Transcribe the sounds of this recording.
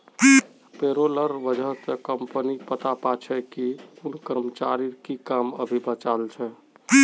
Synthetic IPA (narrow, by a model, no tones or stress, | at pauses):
peɾoləɾʋəd͡ʒʱəɦt̪ekəmpənipət̪apat͡ʃʰɛkiunkəɾmət͡ʃaɾiɾkikamə̰bʱibət͡ʃalt͡ʃʰɛ